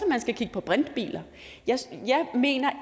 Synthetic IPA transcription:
ɒmænsɡ̥ækʰiɡ̥əpʰɒ̽b̥ʁand̥b̥ḭːlɐ | jɑɪjɑɪme̝̰ːnɐ

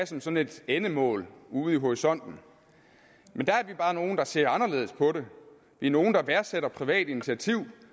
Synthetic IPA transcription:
sɒ̽msɒ̽ne̝d̥enəmɔ̰̽ːluð̩ˠiɦoʁisɒ̽n̰d̥n̩ | mend̥ææɐʋib̥ɑːno̝ːn̩d̥ɑ̈se̝ɐ̰ɑ̈nɐle̝̰ːð̞̩ˠspʰɒ̽ɾe̝ | ʋiɐno̝ːn̩d̥ɑ̈ʋæɐseɾɐpʰʁiʋɛ̰ːd̥init͡sʰiæt͡sʰiʊ̰

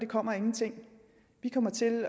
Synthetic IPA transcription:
d̥ekʰɒ̽m̰ɐe̝ŋn̩t͡sʰe̝ŋ̰ | ʋikʰɒ̽m̰ɐt͡sʰe̝l

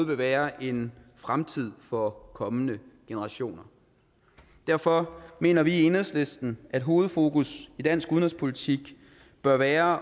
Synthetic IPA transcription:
ð̩ˠʋe̝ʋæːɐʔe̝nfʁamt͡sʰið̞̰ˠfɒ̽kʰɒ̽mənəɡ̥e̝nəʁɑ̈ɕo̝̰ːnɐ | d̥æɐ̰fɒ̽me̝̰ːnɐʋie̝nhðˠsle̝sd̥n̩ʔæd̥ɦo̝ːð̩ˠfo̝ːkusid̥æn̰sɡ̥uðˠnʁɛspʰo̝lit͡sʰiɡ̥ | b̥ɶɐʋæːɐ

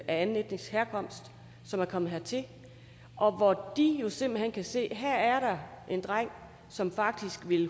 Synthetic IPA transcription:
ʔæænn̩ed̥ne̝ŋsheɐkʰɒ̽m̰sd̥ | sɒ̽mæɐkʰɒ̽mð̩ˠɦeɐ̰t͡sʰe̝ | ʔɒ̽ʋɒd̥ijo̝se̝m̰b̥l̩hen̰kʰæse̝̰ːɦæɐ̰æɐɾɑ̈ʔe̝nd̥ʁaŋ̰ | sɒ̽mfɑ̈ɡ̥̚d̥isɡ̥ʋe̝l

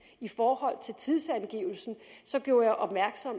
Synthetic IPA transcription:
ifɒːhɒ̽l̰t͡sʰe̝lt͡sʰiðˠsænɡ̥ḭːʊ̰l̩sn̩sɒ̽ɡ̥jo̝ːɐjɑ̈ʔɒ̽b̥mæɐɡ̥sɒ̽m̰

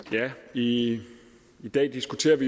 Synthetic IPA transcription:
jæi | id̥ɛ̰ːd̥isɡ̥ut͡sʰe̝̰ːɐʋi

